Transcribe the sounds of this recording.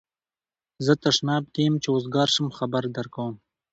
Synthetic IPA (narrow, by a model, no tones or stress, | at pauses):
zət̪aʂnɑb̚kemt͡ʃeozɡɑːɾʃəmxabaɾd̪aɾkawəm